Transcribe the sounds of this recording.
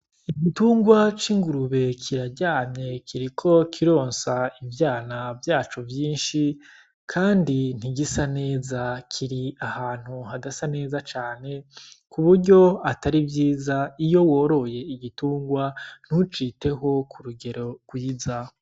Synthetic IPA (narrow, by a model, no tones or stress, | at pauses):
iɡituːŋɡwat͡ʃiŋɡuɾuβe̞kʰiɾaɟaːmɲe̞kʰiɾikʰo̞kʰiɾo̞ːnsaivjaːnavjaːt͡ʃovjiːnʃi | kʰaːndin̥iɡisane̞ːzakʰiɾiahaːn̥huhadasane̞ːzat͡ʃaːne̞kuβuɾɟo̞ataɾibvjiːzaijo̞wo̞ːɾo̞je̞iɡituːŋɡwan̥ut͡ʃiːte̞ɦo̞kuɾuɡe̞ɾo̞ɡ̥wiːza